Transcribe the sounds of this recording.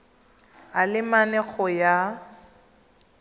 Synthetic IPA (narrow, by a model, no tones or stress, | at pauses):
alɪmanɛɣɔja